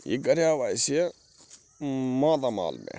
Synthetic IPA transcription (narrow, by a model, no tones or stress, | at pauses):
jḭɡɐɾjaːʋaːjsje | mãːd̪ama̰ːlmḛ̃